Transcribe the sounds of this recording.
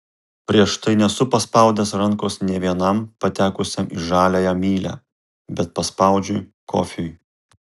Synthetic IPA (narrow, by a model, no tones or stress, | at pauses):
pʲɾʲiɛʃt̪ɐɪnʲɛsʊpɐspɐˑʊd̪ʲɛsɾɐŋkoːsnʲɛʋʲiɛnɐmpɐt̪ʲæːkʊsʲɛmʔiʒɑːlʲæjæmʲiːlʲæ̰ː | bʲɛt̪̚pɐspɐʊd͡ʒʲʊj | kʰo̰ːfʲʊj